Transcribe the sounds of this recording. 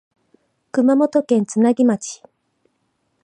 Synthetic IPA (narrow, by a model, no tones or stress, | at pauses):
kɯ̟mamo̞t̪o̞kẽ̞nt͡sɨnaɡʲimat͡ɕi̥